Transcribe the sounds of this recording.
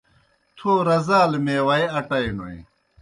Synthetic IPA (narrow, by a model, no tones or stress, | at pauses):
t̪ʰoːɾɐzaːlmeːwɐjɐʈɐjno̰ḭ̃